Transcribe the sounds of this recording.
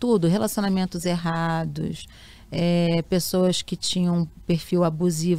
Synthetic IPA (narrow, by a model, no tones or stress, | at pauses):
t̪ud̪ʊɦelasonamẽnt̪ʊzeɦad̪ʊ̰s | ɛpesowɐskɪt͡ʃĩɲɐ̃peɾfiwabuziv